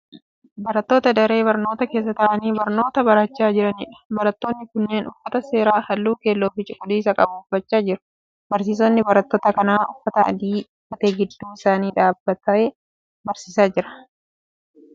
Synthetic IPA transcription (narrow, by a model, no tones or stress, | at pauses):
bɐɾɐt̪ːoːt̪ɐd̪ɐɾe̞ːβɐɾnoːt̪ɐke̞ːs̬ːɐt̪ɐʔɐniːbɐɾno̞ːt̪ɐbɐɾɐt͡ʃːaːd͡ʒɪɾɐnḭːᶑɐ̥bɐɾɐt̪ːo̞ːnːɪkʊnːeːnʊfːɐt̪ɐse̞ːɾaːhɐlːuːke̞ːlːoːfɪt͡ʃʼɪkʼʊd̪iːs̬ɐkʼɐbʊʊfːɐt͡ʃːaːd͡ʒɪɾʊ̥ | bɐɾsiːs̬ɔnːɪbɐɾɐt̪ːoːt̪ɐkɐnaːʊfːɐt̪ɐɐ̰d̪iːʊfɐt̪eːɡɪd̪ːuːɪsaːniːᶑaːbːɐt̪ɐe | bɐɾsiːsaːd͡ʒɪɾɐ̥